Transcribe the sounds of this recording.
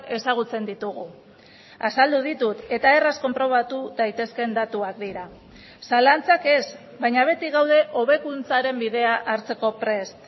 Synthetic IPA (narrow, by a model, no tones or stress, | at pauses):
ke̞saɣ̞ut͡se̞nd̪it̪uɣ̞u | asald̪uð̞it̪ut̪e̞t̪ae̞rasko̞mpɾo̞β̞at̪uðajt̪e̞ske̞nd̪at̪uak̚d̪iɾa | salant͡sake̞z | βajɲaβ̞e̞t̪iɣawð̞e̞ʔo̞β̞e̞kunt͡saɾe̞mbiðe̞aʔaɾt͡se̞ko̞pɾe̞st̪